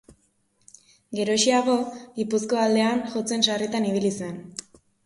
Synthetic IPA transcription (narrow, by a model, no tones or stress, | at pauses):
ɡe̞ɾo̞ʃiaɣ̞o̞ɣipusko̞ald̪e̞anʝo̞t͡se̞nsarit̪aniβ̞ilisue̞n